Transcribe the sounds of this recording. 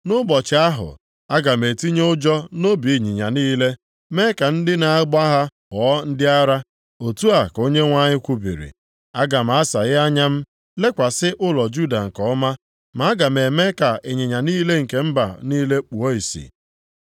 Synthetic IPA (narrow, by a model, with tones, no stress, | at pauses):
nʊ˦bɔ˨t͡ʃɪ˨a˦ɦʊ̰˨ | a˦ɡa˨m̩˨e˨ti˦ɲe˦ʊ˦d͡ʒɔ˦no˦bi˨ɲi˨ɲa˨niː˦le˦ | me˦ka˨n̩˦dɪ˦na˨˦ɡ͡ba˦ɦa˦kɔː˨˦n̩˦dɪ˦a˦ɾa˦ | o˨tu˦a˨ko˦ɲe˦ŋʷa˦ɲɪ˦kʷu˦bḭ˨ɾḭ˨ | a˦ɡa˨m̩˨a˦sa˨ɣɪ˦a˦ɲa˦m̩˦ | le˦kʷa˨sɪ˦ʔʊ˦lɔ˨d͡ʒu˦da˨ŋ̩˨kɔ˨ɔ˦ma˦ | ma˨˦ɡa˨me˨me˦ka˨ʔe˨ɲɪ˨ɲa˨niː˦le˦ŋ̩˨ke˨m̩˦ba˨niː˦le˦k͡pu˨o˦i˨sḭ˨